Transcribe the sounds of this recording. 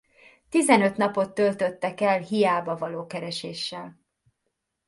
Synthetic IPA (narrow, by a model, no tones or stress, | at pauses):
t̪izɛnøt̪nɒpo̞t̪ːølt̪ø̞t̪ːɛkɛlɦijaːbɒvɒloːkɛɾɛʃeːʃːɛl